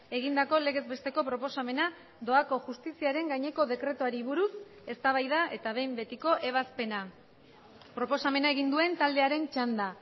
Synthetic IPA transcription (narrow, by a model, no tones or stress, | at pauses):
e̞ɣind̪ako̞le̞ɣ̞e̞zβe̞st̪e̞ko̞pɾo̞po̞same̞na | d̪o̞ako̞ʝust̪isiaɾe̞ŋɡaɲe̞ko̞ðe̞kɾe̞t̪uaɾiβ̞uɾus | e̞st̪aβ̞ajð̞aʔe̞t̪aβ̞e̞jmbe̞t̪iko̞ʔe̞β̞aspe̞na | pɾo̞po̞same̞naeɣ̞ind̪ue̞nt̪ald̪e̞aɾe̞nt͡ʃand̪a